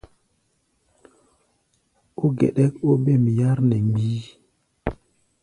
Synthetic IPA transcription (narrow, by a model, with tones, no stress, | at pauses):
o˦ɡḛ˨ɗɛ˦ko˦be˦˨m˨ja˦ɾnɛ˨ŋɡ͡bi˦